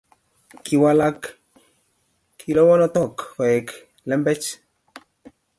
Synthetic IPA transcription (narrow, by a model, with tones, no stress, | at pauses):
ki˨wa˦la˦k | kʰːi˨lɔ˦wɔ˦nɔ˦t̪ɔ˨kfɔ˨jɛ˨k | lɛ˦mbɛ˦t͡ʃ